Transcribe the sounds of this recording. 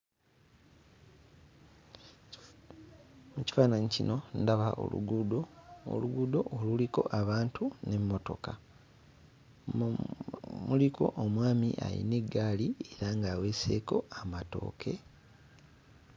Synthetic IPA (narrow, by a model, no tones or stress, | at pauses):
muci̥faːnaɲicino̞ndaβaʔo̰lṵɡudo̰luɡudo̞ʔoluliko̞ʔaβaːntʰune̞mːo̞to̞̰ka | mulikʰo̞ʔomwaːmḭʔa̰lḭne̞ɡːaːlie̞ɾaŋɡaːwe̞ːse̞̰ːko̞amato̞̰ːkʰe̞̰